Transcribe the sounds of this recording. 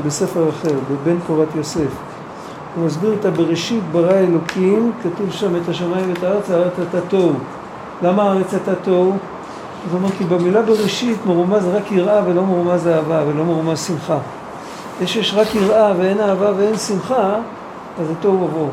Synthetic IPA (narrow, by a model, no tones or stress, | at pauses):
bese̞feʁaχeʁbebe̞nkoʁat̪jo̞se̞f | umazbiʁet̪abeʁeʃitbaʁaelo̞kʰimkatuvʃamethaʃamaimvetaaʁet͡saaʁʁet͡satatow | lamaːaʁet͡satatov | atomekibemilabeʁeʃitmoʁumazʁakiʁʔavelo̞moʁumazaːvavelo̞maʁmazsimχa | jeʃjeʃʁakiʁʔavee̞naːvaveensimχa | azeto̞wavo